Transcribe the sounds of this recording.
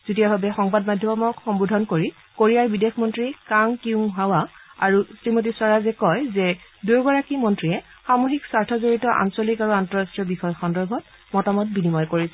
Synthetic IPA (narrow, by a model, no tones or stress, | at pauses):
z̥itiabʱabɛxɔŋbadmadʱjɔmɔmɔkxɔmbudʱɔnkoɹi | koɹijaɹbidexʰmɔntɹikaŋkiuŋɦawaa̰ɹusɹimot̬iswaɹazɛkɔjzɛduɹɡɔɹakimɔntɹiɛ | xamoxiksaɹtʰɔzoɹitɔʔa̰nsɔlikaɹuantɔɹastɹiɔbixɔjxɔndɔɹbʱɔt̚ | mɔtamɔt̚binimɔjkoɹisɛ